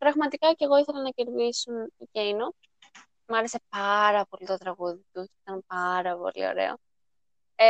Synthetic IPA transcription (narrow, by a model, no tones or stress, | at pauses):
pɾɐɣmɐt̪ikɐce̞ɣo̞iθe̞lɐnɐce̞ɾðisuniceino | mɐɾe̞se̞pɐɾɐpo̞lit̪o̞t̪ɾɐɣuðit̪uit̪ɐmpɐɾɐpo̞̰lḭo̞̰ɾe̞̰o̞̰